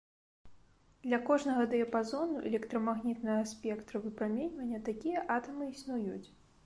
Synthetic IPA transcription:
d̪̥lʲɐkɔʐnɐɣɐd̪ɨjɐpazɔnuʔɛ̰lʲɛkt̪ɾɐmaɣnʲit̪nɐɣɐsʲpʲɛkt̪ɾɐvɨpɾamʲenʲvɐnʲːɐt̪akʲijɐʔat̪ɐmɨisnujut͡sʲ

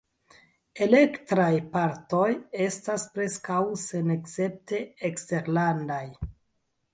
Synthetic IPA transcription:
e̞le̞ktɾajpaɾto̞je̞staspɾe̞skawse̞nekse̞p̚te̞ekste̞ɾlandaj

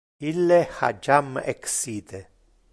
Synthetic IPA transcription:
ilːeha̰d͡ʒamɛksit̪e

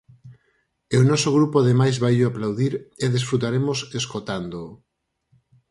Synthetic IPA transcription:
ewnɔsoɣɾupoðemajzβajʎoaplawðiɾeðesfɾut̪aɾemoseskot̪and̪o

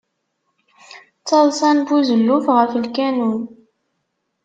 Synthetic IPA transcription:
t͡sːɑðˤsænbuzəlːufʁəflkænun

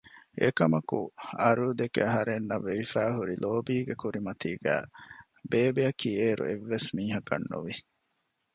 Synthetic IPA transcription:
ḛkɐmɐkuɐɾuːd̪ekeɐɦɐɾenːɐʋːeʋifæːɦuɾiloːbiːɡekuɾimɐt̪iːɡæ̰ː | beːbeɐkiːeːɾṵeʋːesmiːɦɐkɐ̰nːṵʋi

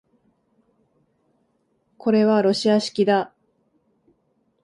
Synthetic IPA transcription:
kʰo̞ɾe̞βaɾo̞ɕiaɕi̥kʲid̪a

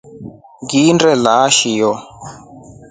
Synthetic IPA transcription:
ɡindɛlaʃijɔ

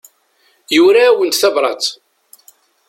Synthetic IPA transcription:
juɾaːwənt̪θævɾˤɑ̰t͡s

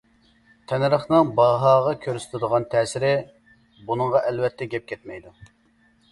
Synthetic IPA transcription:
t̪ʰɛnɾəχnɨŋbɑɦɑːʁɑkʲʰøɾsɪ̥t̪ʰɪd̪əʁɑnt̪ʰɛːsɪɾɪ | bunəŋʁɑʔɛlwɛt̪ʰːɛɡʲɛp̚kʲʰɛt̪̚mɛjd̪u

